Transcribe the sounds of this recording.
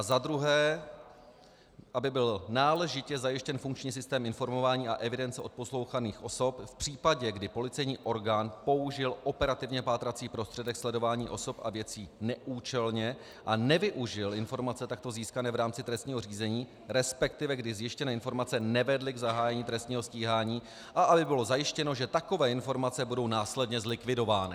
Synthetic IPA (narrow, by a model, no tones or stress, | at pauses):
azad̪ɾuɦɛː | ʔabɪbɪlnaːlɛʒɪcɛzajɪʃcɛnfuŋk̚t͡ʃɲiːsɪst̪ɛːmɪnfo̞ɾmo̞vaːɲiːʔaʔɛvɪdɛnt͡sɛo̞t̪̚po̞slo̞wxaniːxʔo̞so̞pfpr̝̥iːpaɟɛɡdɪpo̞lɪt͡sɛjɲiːʔo̞ɾɡaːnpo̞uʒɪlʔo̞pɛɾat̪ɪvɲɛpaːt̪ɾat͡siːpɾo̞st̪r̥ɛdɛkslɛdo̞vaːɲḭːʔo̞so̞pʔa̰vjɛt͡siːnɛʔuːt͡ʃɛlɲɛ | ʔanɛvɪʔuʒɪlʔɪnfo̞ɾmat͡sɛt̪ak̚t̪oziːskanɛːvɾaːmt͡sɪt̪ɾɛst̪ɲiːɦor̝iːzɛɲiː | ɾɛspɛk̚t̪ɪvɛɡdɪzjɪʃcɛnɛːɪnfo̞ɾmat͡sɛnɛvɛdlɪɡzaɦaːjɛɲiːt̪ɾɛst̪ɲiːɦosciːɦaːɲiː | ʔaʔabɪbɪlo̞zajɪʃcɛno̞ʒɛt̪ako̞vɛːɪnfo̞ɾmat͡sɛbudo̞wnaːslɛdɲɛzlɪkvɪdo̞vaːnɪ